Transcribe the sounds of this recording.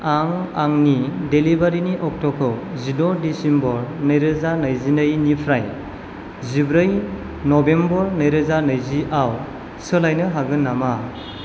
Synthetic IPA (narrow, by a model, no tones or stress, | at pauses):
aŋaŋnidelibaɾiniʔɔk̚tɔkʰɯwzidɔdisimbɔɾnɯjɾɯzanajzinɯjnipʰɾaj | zibɾɯj | nɔbembɔɾnɯjɾɯzanɯjziʔaw | sɯlajnɯɦaɡɯnːama